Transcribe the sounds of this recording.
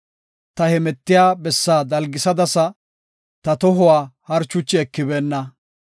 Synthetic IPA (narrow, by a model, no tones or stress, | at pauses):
t̪ɐhɛmɛt̪ːɪjaːbɛsːaːd̪ɐlɡɪsɐd̪ɐsɐ | t̪ɐt̪ɔɦʊwaːhɐɾt͡ʃːʊt͡ʃːɪɛkːɪbeːnːɐ